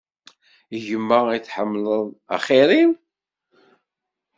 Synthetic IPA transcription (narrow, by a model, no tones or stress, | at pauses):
ʝəmːæit͡sːħəmːləðˤa̰χeɾim